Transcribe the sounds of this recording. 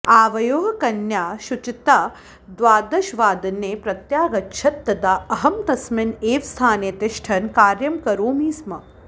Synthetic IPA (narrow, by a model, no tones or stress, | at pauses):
aːʋɐjoːɦɐkɐnjaːʃut͡ʃit̪aː | d̪ʋaːd̪ɐʃʋaːd̪ɐnːeːpɾɐt̪jaːɡɐtːʃʰɐt̪ːɐd̪aːɐɦɐmt̪ɐsmɪneːʋst̪ʰaːneːt̪ɪʃʈʰɐnkaːɾjɐmkɐɾoːmiːsmɐ